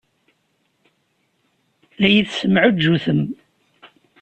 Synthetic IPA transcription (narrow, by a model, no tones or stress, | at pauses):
læjəθsəmʕʊd͡ʒːuθəm